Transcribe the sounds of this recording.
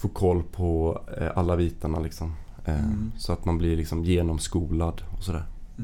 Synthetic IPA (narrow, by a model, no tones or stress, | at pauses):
foːkʰɔlːpʰɔʔalːabiːt̪aɳalɪksɔm | sɔat̪manblɪlɪksɔmjeːnɔmskuːlad̪ɔsɔd̪æ̰ːɾ